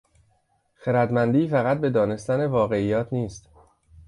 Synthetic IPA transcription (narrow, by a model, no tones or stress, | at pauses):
xeɾæd̪mænd̪iːfæɣæt̪̚be̞d̪ɒːne̞st̪æne̞vɒːɣe̞iːjɒːt̪ʰniːst̪